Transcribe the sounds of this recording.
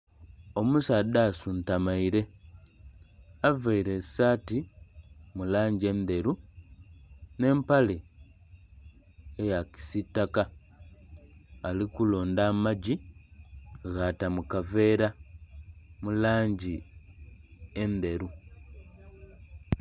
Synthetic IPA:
o̞musadasuntamaiɾe̞ | aveiɾe̞saːti | mulaːɲɟie̞nd̪e̞ɾu | ne̞ːmpale | jaki̥sitːaka | likulo̞ːndamaɟi | ɣaːtamukave̞ːɾa | mulaːɲɟi | e̞nd̪e̞ɾu

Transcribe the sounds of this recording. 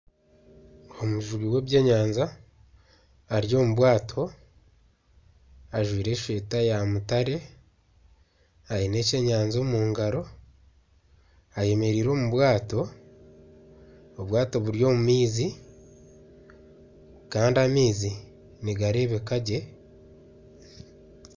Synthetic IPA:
o̞muʒuβiwe̞ːβje̞ːɲaːnza | ɾjo̞ːmuβwaːtʰo̞ | aʒwiːɾe̞ːʃwe̞ːtajamutaɾe̞ | aine̞ːce̞ːɲaːnzo̞ːmuːŋɡaɾo̞ | aje̞me̞ɾiːɾo̞ːmuβwaːto̞ | oβwaːto̞βuɾjo̞ːmumiːzi | kaːndiamiːzi | niɡaɾe̞βe̞kaɟe̞

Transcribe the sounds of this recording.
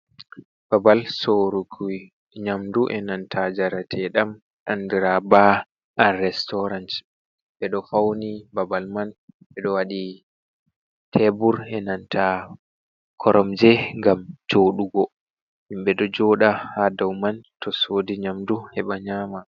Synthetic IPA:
b̥abalsoɾukʰu | ɲamduʔɛnantʰad͡ʒaɾatʰɛɗam | ʔandiɾaba | anrɛstɔɾant | ɓɛɗɔfawnibabalman | ɓɛɗɔwaɗi | tʰɛbuɾɛnantʰa | kʰɔɾɔmd͡ʒɛŋɡamt͡ʃoːɗuɡɔ | imbɛɗɔd͡ʒɔɗahadawmantʰɔsoːdiɲamduhɛɓaɲaːma

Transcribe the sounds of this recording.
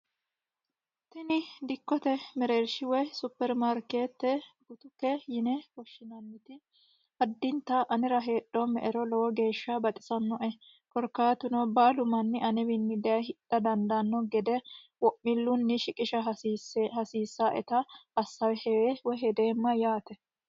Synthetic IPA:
t̪ɛnɪd̪ɪkːɔt̪ɛmɛɾeɾʃɪwɔjsʊpːɛɾmaɾkeːt̪ːɛɡ̥ʊt̪ʊkːɛjɪnɛwɔʃːɪnɐnːɪt̪ɪ | hɐd̪ːɪnt̪ːɐʔɐnɪɾɐɦe̞ːɗːɔmɛ̰ʔɛɾɔlɔwɔɡe̞ːʃːɐbɐt̪ʼɪ̥sɐnːɔʔɛ | kɔɾkːaːt̪ʊnɔbaːlʊmɐnːɪʔɐnɛbɪnːɪd̪ɛɐhɪɗɐd̪ɐnd̪ɐnːɔɡɛd̪ɛ | wɔʔːɪlːʊnːɪʃɪkʼɪʃɐshɐsiːsːaʔɛ̰t̪ɐɐsːɐwɛhɛweːwɔɦɛd̪eːmːɐjaːt̪ɛ

